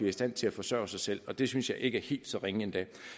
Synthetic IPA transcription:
iɐisd̥æn̰t͡sʰe̝læfɒ̽sœ̰ːsɑ̈ɪsel̰ɒ̽d̥e̝synsjɑ̈ɪʔe̝ɡ̥əæɐhe̝̰ːld̥sɒ̽ʁeŋəend̥ɛ̰

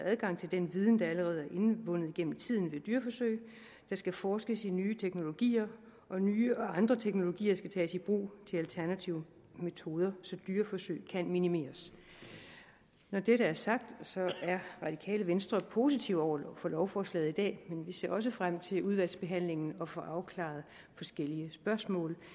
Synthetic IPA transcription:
æð̞ˠɡ̥ɑ̈ŋ̰t͡sʰeld̥enʋiːð̞ˠn̩d̥ɑ̈æləʁɛːð̞̩ˠæɐʔe̝nʋɔ̽n̰ð̞̩ˠiɡ̥en̰m̩t͡sʰið̞̰ˠn̩ʋe̝d̥yɐfɒ̽søɪ̰ | d̥ɑ̈sɡ̥æfɒːsɡ̥əsinyːt͡sʰeɡ̥no̝lo̝ɡ̥ḭːɐ | ʔɒ̽nyːɒ̽ɑ̈nd̥ʁɐt͡sʰeɡ̥no̝lo̝ɡ̥ḭːɐsɡ̥æt͡sʰɛːsib̥ʁṵːt͡sʰe̝lælt͡sʰæɐnæt͡sʰiʊə | me̝t͡sʰo̝ːð̞ˠɐsɒ̽d̥yːɐfɒsø̰ɪ̰kʰænminime̝̰ːɐs | nɒd̥eɾəæɐsɑ̈ɡ̥̚d̥sɒ̽æɐʁɑ̈d̥ikʰɛ̰ːləʋensd̥ʁɐpʰo̝sit͡sʰiʊɒʊ̰ɐlɒfɒ̽lɒʊfɒːslɛ̰ːð̩ˠid̥ɛ̰ːmenʋise̝̰ɐɒ̽s̬əfʁam̰t͡sʰe̝luð̞ˠʋæl̰sb̥e̝ɦæn̰le̝ŋn̩ɒ̽fɒ̽ʔɑ̈ʊkʰlɑ̰̈ð̩ˠ | fɒ̽sɡ̥el̰iəsb̥ɶɐsmɔ̰̽ːl

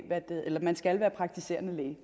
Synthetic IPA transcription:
ʋæd̥eʔelɐmænsɡ̥ælʋæːɐpʰʁɑ̈ɡ̥̚t͡sʰise̝̰ːɐnəleː

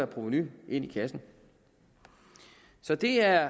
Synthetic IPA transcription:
ɐpʰʁuʋnyʔe̝n̰ikʰæsn̩ | sɒ̽d̥e̝æɐ

